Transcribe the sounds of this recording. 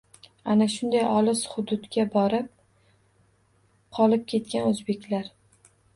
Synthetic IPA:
anaʃʊnd̪ajɒlˠɪsχʊd̪ʊd̪ɡʲabɒɾɪp̚ | qʰɒlˠɪp̚kʲʰe̞t̪̚kʲanɵzbe̞kʲlaɾ

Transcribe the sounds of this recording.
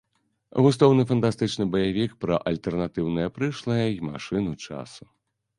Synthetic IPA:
ɣust̪ɔwnɨfɐnt̪ast̪ɨt͡ʂnɨbɐjavʲikpɾɐʔɐlʲt̪ɛrnat̪ɨwnɨjɐpɾɨʂlˠɐjɐma̰ʂɨnut͡ʂa̰su̥

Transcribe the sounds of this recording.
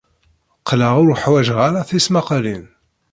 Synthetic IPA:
qləʁʊɾħwæʒʁaɾaθismaqlin

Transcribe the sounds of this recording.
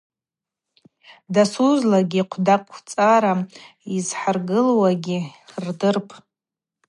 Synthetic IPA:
dasuzlaɡʲiqʷʰdakʼʷʰːt͡sʼaɾa | izħarɡɨlwaɡʲirdɨrpʼ

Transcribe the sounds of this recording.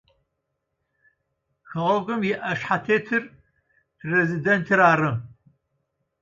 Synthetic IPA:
xɐʁɔɣʷʼɨmjɪʔɐʂħatʰeːtʰɨr | pʰrezidentʰɨɾaːrɨm

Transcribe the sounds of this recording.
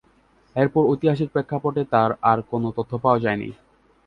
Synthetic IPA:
eɾpɔɾojt̪iɦaʃ̬iɾpɾekʰːapɔʈet̪aɾaɾkonot̪ot̪ʰːopaod͡ʑaenḭ

